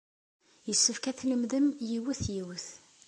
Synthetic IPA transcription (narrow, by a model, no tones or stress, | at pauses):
jəsːəfkæθləmðəmjiwəθjiwəθ